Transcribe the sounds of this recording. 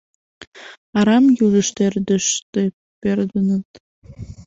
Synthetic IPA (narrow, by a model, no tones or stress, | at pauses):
ɑɾɑmjuʒə̆ʃt̪erd̪əʃt̪e | perd̪ənət̪